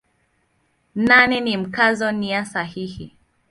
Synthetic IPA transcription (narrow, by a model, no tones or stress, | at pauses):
nanɛnim̩kazɔniasahihi